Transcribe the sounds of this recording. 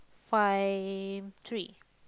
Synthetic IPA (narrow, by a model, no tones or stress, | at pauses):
fajvt̪ʰɹi